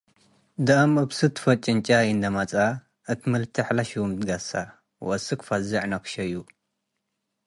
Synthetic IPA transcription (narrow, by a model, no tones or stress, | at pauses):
d̪ɐɐmɨbsɨt̪ʰfɐt͡ʃʼɪnt͡ʃʼajɨnd̪ɐmat͡sʼa | ʔɨt̪ʰimɨlt̪ʰiħlaʃiwmd̪ɡasa | wʔɐsɨkfazɐʕnɐkʰʃɐjːu